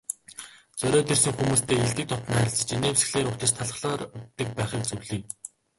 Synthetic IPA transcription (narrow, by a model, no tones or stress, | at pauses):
t͡sœɾʲɔːt̪ersɘ̆ŋxumuːst̪ʰeːiɮt̪ɘ̆k̚t̪ʰɔt̪næɾʲɪ̆ɮst͡s̆t͡ɕineːwesɘ̆xɮeːɾʊkʰt̪ə̆t͡ɕt̪ʰaɮə̆χɮɔːrt̪ːɘ̆k̚pæːχiːk̚t͡sɵwɮiːŋ